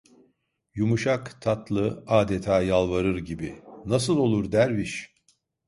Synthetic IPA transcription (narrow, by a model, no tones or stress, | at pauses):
jumuʃakt̪ʰat̪lˠɯaːd̪et̪ʰaːjalˠvaɾɯɾɟibinas̬ɯlˠo̞lˠuɾd̪æɾviʃ